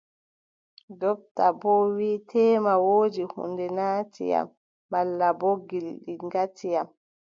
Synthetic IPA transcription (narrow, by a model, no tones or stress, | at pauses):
dɔb̚tabɔwiːtʰɛːmawoːd͡ʒihṵndɛnaːtḭja̰mː | alːaboɡilɗiŋɡatʰijam